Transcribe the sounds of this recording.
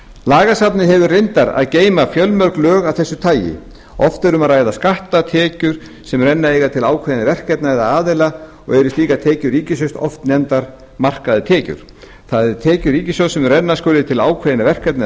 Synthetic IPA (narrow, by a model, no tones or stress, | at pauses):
laːɣasapnɪɦɛvʏrejnt̪aɾa̰ðceːjmafjœlmœr̥klœːɣawθɛsːʏt̪ʰaːjɪ̰ | ɔft̪ɛɾʏmaðɾaːjðaskaht̪at̪ʰɛːcʏɾ̥ | sɛmrɛnːaejɣat̪ʰɪlaːwkʰːjðɪnɪvɛr̥kɛt̪naɛðaaːðɪla | ɔɣɛɾʏst̪iːkat̪ʰɛːcʏɾiːcɪsʏst̪ɔ̰ft̪nɛnt̪aɾ | mar̥kaðɪt̪ʰɛːcʏ̰ɾ̥ | θaðɛɾt̪ʰɛːcʏɾiːcɪsɔsɛmrɛnːaskœːɾlɪt̪ʰɪlaːwkʰvɛðɪnavɛr̥kɛt̪na